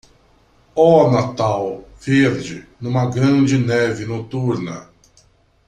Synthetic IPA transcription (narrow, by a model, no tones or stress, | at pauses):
ɔɐnat̪awveɾd͡ʒɪnũmɐɡɾɐ̃d͡ʒɪnɛvɪnot̪uɾnɐ